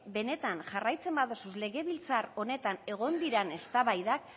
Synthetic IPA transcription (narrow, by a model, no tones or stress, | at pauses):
be̞ne̞t̪anʝarajt͡se̞mbaðosusle̞ɣe̞βilt͡saɾo̞ne̞t̪ane̞ɣ̞o̞nd̪iɾane̞st̪aβajðak